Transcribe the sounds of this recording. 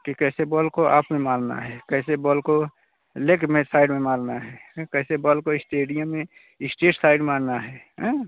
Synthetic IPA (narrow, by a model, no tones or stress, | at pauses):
kikɛsebɔlkoʔa̰ːpmemãlna̰ɦɛkɛɦsebɔlko | lekmesaːɪɖmemãlnaɦɛːɦkɛsebɔlkoɪsʈeːɖijəmːẽ | ɪsʈeːʈsaɪɖmaːnnaɦɛɦɛ̃